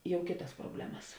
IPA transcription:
ˈjɛʊ ˈkʲeːtɐs proːˈbʲlʲæːmɐs

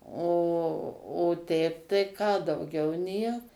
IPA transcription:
oː oː ˈtʲɛɪp tɐɪ kɑː dɐʊˈɡʲɛʊ ˈnʲiɛk

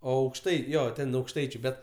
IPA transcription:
oː ˈɐʊkʃtɐɪ ˈjoː ˈtʲɛn ɐʊkʃˈtɐɪt͡ʃʲʊ ˈbʲɛt

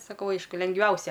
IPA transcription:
sɐˈkɐʊ ˈɐɪʃkʊ lʲɛŋɡˈʋʲɛʊsʲɛ

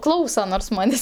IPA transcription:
ˈklˠɐʊsɐ noːrs ˈmɑːnʲeːsʲ

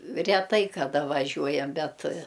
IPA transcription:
rʲɛˈtɐɪ kɐˈdɐ ʋɐˈʒʲuɔjɛm ˈbʲɛt

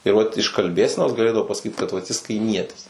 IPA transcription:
ɪr ˈʋɐt ɪʃ kɐlʲˈbʲeːsʲɛnoːs ɡɐˈlʲeːdɐʋoː pɐsɐˈkʲiːt kɐt ʋɐt jɪs kɐɪˈmʲiɛtʲɪs

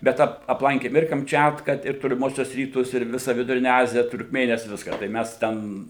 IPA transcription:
bʲɛt ˈɐp ɐpˈlˠɐŋʲkʲeːm ɪr kɐmʲˈt͡ʃʲæːtkɐ ɪr toːlʲɪˈmuɔsʲuɔs ˈrʲiːtʊs ɪr ˈʋʲɪsɐ ʋʲɪdʊˈrʲɪnʲɛ ˈɑːzʲɪjɛ tʊrkˈmʲeːnʲɪjɛs ˈʋʲɪskɑː tɐɪ ˈmʲæs ˈtʲɛn

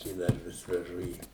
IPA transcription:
ɪ ˈdɐr ˈʋʲɪs ʋʲɛˈʒʊ ˈiː

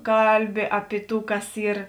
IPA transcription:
ˈkɐlʲˌbʲɪ ˈɑːpʲɪ ˌtuː ˈkɐs ˈiːr

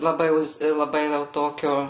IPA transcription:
lˠɐˈbɐɪ ˈjɛʊ ˈjɪs lˠɐˈbɐɪ ˈʋʲɛlˠ ˈtoːkʲoː

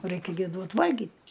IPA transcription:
ˈrɐɪkʲɛ ɡʲɪ ˈduɔt ˈʋɐlʲɡʲiːt

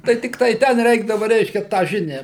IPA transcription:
tɐɪ ˈtʲɪktɐɪ ˈtʲɛn ˈrʲɛɪɡdɐʋɐ ˈrʲɛɪʃʲkʲɛ tɑː ˈʒʲɪnʲæː

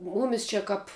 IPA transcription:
ˈmuːmʲɪs ˈt͡ʃʲɛ ˈkɐp

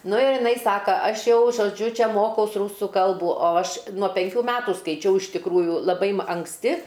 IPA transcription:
ˈnʊ ɪr jɪˈnɐɪ ˈsɑːkɐ ˈɐʃ ˈjɛʊ ʒoːˈd͡ʒʲʊ ˈt͡ʃʲɛ ˈmoːkɐʊs ˈruːsʊ ˈkɐlˠbuː oː ˈɐʃ nuɔ pʲɛŋʲˈkʲuː ˈmʲæːtuː skɐɪˈt͡ʃʲɛʊ ɪʃ tʲɪkˈruːjuː lˠɐˈbɐɪ m ɐŋksʲˈtʲɪ

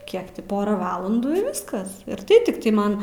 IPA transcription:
ˈkʲiɛk tʲɪ ˈpoːrɐ ˈʋɑːlˠɐnduː ɪ ˈʋʲɪskɐs ɪr ˈtɐɪ tʲɪkˈtɐɪ ˈmɐn

